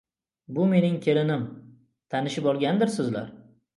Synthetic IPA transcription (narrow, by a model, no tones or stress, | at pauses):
bʊme̞nɪŋkʲʰe̞ɾɪnɪm | t̪ʰanɪʃɪpɒlˠɡʲand̪ɪɾsɪzla̰ɾ